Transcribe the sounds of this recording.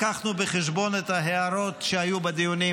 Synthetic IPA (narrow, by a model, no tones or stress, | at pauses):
kaχnubeχeʃbo̞net̪haɦeaɾo̞t̪ʃehajubed̪ijuni